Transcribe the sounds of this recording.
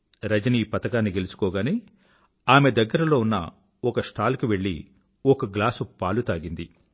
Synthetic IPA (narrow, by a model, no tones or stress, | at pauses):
ɾɐd͡ʒɐniːpɐt̪ɐkaːnːiɡe̞lusu̥kɔːɡaːneː | aːme̞d̪ɐɡːɐɾɐlo̞ːunːɐ̰ | ɔkɐsʈʰaːlɐkiʋe̞ɭːḭ | ɔkɐɡlaːsupaːlut̪aːɡind̪i